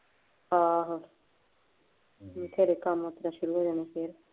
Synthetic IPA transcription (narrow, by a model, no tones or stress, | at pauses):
aɦ | t̪ʰeɾekamɦoːt̪ɾaʃʊɾuɦoːd͡ʒaːniːkʰeːɾ